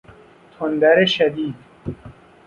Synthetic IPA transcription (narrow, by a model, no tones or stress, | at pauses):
t̪ʰond̪æɾeʃæd̪iːd̪